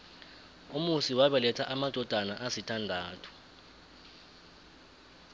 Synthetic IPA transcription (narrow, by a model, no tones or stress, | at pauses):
umusiwaɓɛlɛtʰaʔamad̥ʱɔd̥ʱanaʔasitʰandʱaːtʰu̥